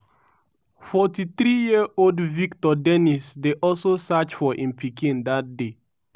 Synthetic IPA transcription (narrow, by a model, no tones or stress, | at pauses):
fɔtiθɹijiəoldviktɔdɛnisdeʔɔlsosat͡ʃfɔʔĩnpʰikʰĩndat̚de